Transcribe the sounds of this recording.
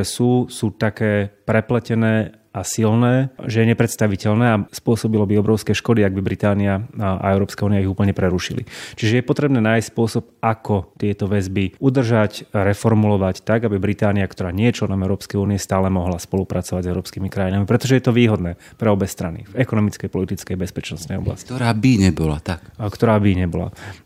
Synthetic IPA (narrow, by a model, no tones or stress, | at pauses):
ɛsuːsuːt̪akɛːpɾɛplɛcɛnɛː | asilnɛːʒɛjɛɲɛpɾɛt̪st̪aʋicɛʎnɛːaspʊɔsɔbilɔbiɔbɾɔʊskɛʃkɔd̪iaɡ̚bibɾit̪aːniaʔa̰ɛʊɾɔːpskauːniaiɦuːpl̩ɲɛpɾɛɾuʃilḭt͡ʃiʒɛjɛpɔt̪ɾɛbnɛːnaːjscːspʊɔsɔp̚akɔt̪ɪɛt̪ɔʋɛzbiud̪r̩ʒacɾɛfɔɾmulɔʋact̪aɡabibɾit̪aːniakt̪ɔɾaːɲɪɛjɛt͡ʃlɛnɔmɛʊɾɔːpskɛjuːniɛst̪aːlɛmɔɦlaspɔlupɾat͡sɔʋaɟzɛʊɾɔːpskimikɾajinamipɾɛt̪ɔʒɛjɛt̪ɔʋiːɦɔd̪nɛː | pɾɛɔbɛst̪ɾanḭvɛkɔnɔmit͡skɛjpɔlit̪it͡skɛjabɛspɛt͡ʃnɔsnɛjɔ̰bla̰sctɔɾaːbiɲɛbɔla̰t̪akkt̪ɔɾaːbiɲɛbɔla̰